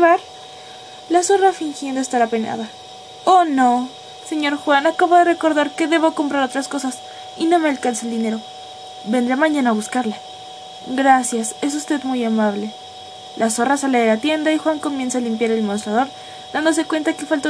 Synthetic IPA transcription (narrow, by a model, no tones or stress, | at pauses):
βaɾ | lasorafiŋxjend̪oest̪aɾapena̰ða | ono̞ | se̞ɲo̞ɾxwanakaβoðe̞re̞ko̞ɾðaɾke̞ðe̞βo̞ko̞mpɾaɾo̞t̪ɾasko̞sas | ino̞me̞alkanseeld̪ine̞ɾo̞ | be̞nd̪ɾamãɲãnaːβuskaɾla | ɡɾasjase̞s̬ust̪e̞ðmujamaβ̞le̞ | lʔaso̞rasaleðelat̪je̞nd̪aixwaŋkomje̞nsaːlimpjaɾe̞lmonst̪ɾaðo̞ɾ | ðand̪os̬e̞kwe̞nt̪ake̞falt̪o